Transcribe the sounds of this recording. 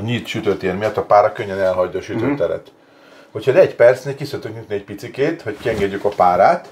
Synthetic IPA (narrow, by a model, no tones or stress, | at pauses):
ɒɲiːt̪ʃyt̪øt̪eːrmijɒt̪ːɒpaːɾɒkøɲːɛnɛlɦɒɟːɒːʃyt̪øːt̪ːɛɾɛ̰t̪ | ho̞chɒid̪ɛɟpɛrt̪sneːlkisøt̪øknit̪niɛc̚pit̪sikeːt̪ho̞ckiɛŋɡɛɟːykɒpaːɾaːt̪